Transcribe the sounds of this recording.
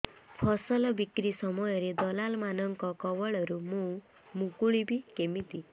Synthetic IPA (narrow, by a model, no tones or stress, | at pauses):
pʰɔsɔlɔbikɾisɔmɔjɔɾed̪ɔlalmanɔŋkɔkɔwɔɭɔɾumũ | mũkuɭibikemit̪i